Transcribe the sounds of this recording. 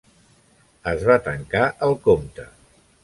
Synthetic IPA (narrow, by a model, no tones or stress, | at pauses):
əzβat̪əŋkaʔəlˠkomt̪ə